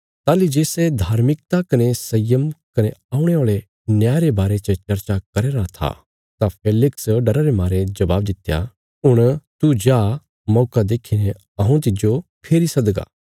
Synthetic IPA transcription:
t̪aːlid͡ʒeːsed̪ʱaːɾmɪk̚t̪akɐnesɐjəmkɐneaːʊɽ̃eoːɭe | njaːɾebaːɾet͡ʃət͡ʃɐɾt͡ʃakɐɾeːɾat̪ʰa̰ | t̪apʰeːlɪksɖɐɾaɾemaːɾed͡ʒɐbaːb̚d̪ɪt̪eja̰ | ʊɽ̃t̪ud͡ʒaː | mɔːkad̪eːkʰine | ɐɦũt̪̬ɪd͡ʒopʰeːɾisɐd̪ɡa̰

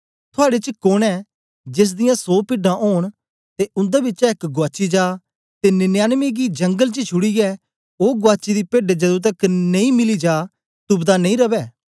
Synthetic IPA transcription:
t̪ʰʊaːɽet͡ʃəkoɽɛː | d͡ʒɪs̬d̪ɪjãsoːpɪɖãʔoːɽ̃ | t̪eʊ̃nd̪aːbɪt͡ʃaɪkɡʊwaːt͡ʃid͡ʒaː | t̪enɪnjaːnmiɡid͡ʒə̃ŋɡəlt͡ʃət͡ʃʰʊɽijɛː | oːɡʊaːt͡ʃid̪iːpeːɖed͡ʒɐd̪ũt̪ɐknɐĩːmɪlid͡ʒaː | t̪ʊbd̪anɐ̃ĩɾɐbɛː

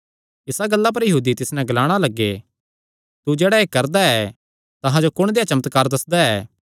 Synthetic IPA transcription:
ɪsaɡɐlːap̬ɐɾjɐɦuːd̪it̪ɪsnɛ̃ɡɐlaːɽ̃alɐɡːe | t̪ud͡ʒɛːɽaeːkɐɾd̪aɛ | t̪ɐɦãd͡ʒokʊɽ̃d̪eːjat͡ʃɐmət̪kaːɾd̪ɐsd̪aɛː

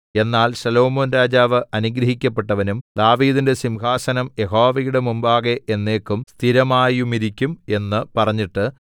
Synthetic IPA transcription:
e̞nːaːlsɐlo̞ːmoːnɾaːd͡ʑaːʋɨʔɐnuɡɾɐɦikʲːɐpːe̞ʈːɐʋɐnumd̪aːʋiːðinde̞simɦaːsɐnɐmje̞ɦo̞ːʋɐjuɽemumbaːɣeenːe̞ːkːumst̪ʰiɾɐmaːjumiɾikʲːume̞nːɨpɐrɐɲːiʈːɨ

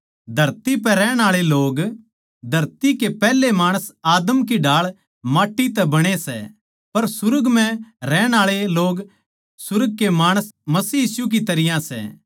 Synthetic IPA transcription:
d̪ʱɐɾt̪ipɛɾɛːɽ̃aːɭeloːɡ | d̪ʱɐɾt̪ikepɛːlemaːɽ̃əsaːd̪əmk̬iɖʱaːɭ | maːʈːit̪ɛbɐɽ̃esɛ̰ | pɐɾsʊɾəɡmɛ̃ɾɛːɽ̃aːɭeloːɡ | sʊɾəɡ̚kemaːɽ̃əsmɐsiːjiːsuk̬it̪ɐɾɪjãsɛ̰ː

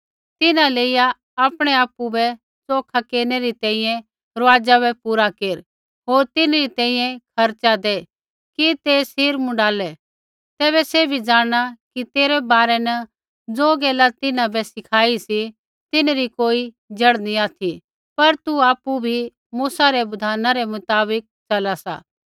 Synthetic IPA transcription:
t̪ɪnãleːɪja | aːpɽ̃ɛaːpːubɛ | t͡soːkʰakeːneɾit̪ɛ̃ːĩjɛ̃ | ɾɐʋaːd͡ʒaβɛpuːɾakeːɾ | ɦoːɾt̪ɪnɾit̪ɛ̃ːĩːjɛ̃kʰɐɾt͡ʃad̪eː | kit̪eːsiːɾmʊ̃ɖaːlɛ | t̪ɛːβɛsebʱid͡ʒãːɽ̃akit̪eːɾɛbaːɾɛnɐ | d͡zoːɡɛːlat̪ɪnãbɛsɪkʰaːisi | t̪ɪnɾikoːi | d͡ʒɐɽniaːt̪ʰi | pɐɾt̪uaːpːubʱi | muːsaɾɛbɐd̪ʱaːnaɾɛmʊt̪aːbɪk̚t͡ʃɐlasa̰ː

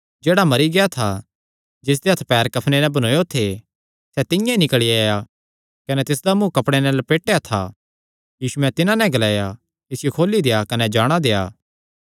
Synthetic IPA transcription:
d͡ʒeːɽamɐɾiɡejat̪ʰa | d͡ʒɪs̬d̪eɦɐt̪ʰpɛːɾkɐpʰnenɛ̃bɐnoːjot̪ʰe | sɛt̪ɪjãinɪkɭiaːja | kɐnɛt̪ɪs̬d̪amũːkɐpɽ̃enɛlɐpeːʈːejat̪ʰa̰ | jiːsuɛ̃t̪ɪnãnɛ̃ɡɐlaːja | ɪsɪjokʰoːlid̪eːjakɐnɛd͡ʒaːɽ̃ad̪eːja̰ː

